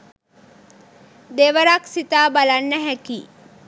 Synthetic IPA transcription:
d̪eʋəɾaksit̪aːbɐlanːəɦɛki

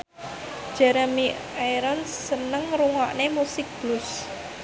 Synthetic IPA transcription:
ʒ̥ɛɾəmi | ajɾɔnsənəŋɾuŋɔʔnemusɪk̚b̥lʊs

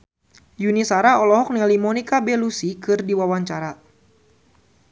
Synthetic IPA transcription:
junisaɾaɔlɔɦɔk̚nɛlimɔnikabelusikɨrdiwawaɲt͡ʃaɾa

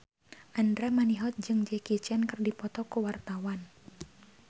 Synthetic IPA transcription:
ʔandɾamaniɦɔt̪̚d͡ʒɨŋd͡ʒɛkit͡ʃankərdipɔt̪ɔkuwart̪awan

